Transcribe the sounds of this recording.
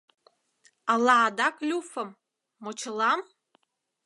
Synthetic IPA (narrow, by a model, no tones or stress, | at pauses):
alaːd̪aklʲufəmː | ot͡ʃʰəlam